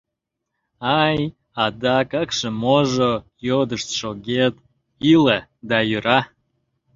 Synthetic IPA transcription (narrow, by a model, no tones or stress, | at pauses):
ɑj | ɑd̪ɑkɑkʃəmoʒojod̪əʃt̪ʃoɡʲet̪ | iləd̪ɑjyɾɑ